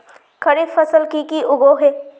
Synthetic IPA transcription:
kʰɐɾefəsəlkikiʔʊɡoɦeː

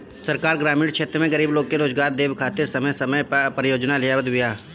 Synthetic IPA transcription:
səɾkaːɾɡɾaːmiːɽkʃʰeːt̪ɾəmẽɡəɾiːbloːɡ̚keɾoːzɡaːɾd̪eːbkʰaːt̪eɾsɐməjsəməjpɾəjoːd͡ʒnalɪjabəd̪ɪjaː

